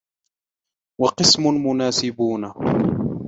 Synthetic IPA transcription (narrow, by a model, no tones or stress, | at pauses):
wɑqɨsmʊmʊnaːsɪbuːna